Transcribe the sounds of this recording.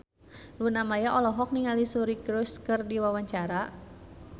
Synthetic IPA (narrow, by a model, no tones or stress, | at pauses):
lunamajaʔɔlɔɦɔk̚niŋalisuɾikɾuskɨrdiwawaɲt͡ʃaɾa